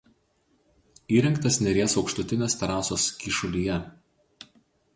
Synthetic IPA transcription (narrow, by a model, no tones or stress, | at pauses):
iːɾʲɛŋkt̪ɐsʲnʲɛɾʲeɛsɒʊkʃt̪ʊt̪ʲɪnʲeːst̪ɐɾɑːsoːskʲiʃʊlʲiːjɛ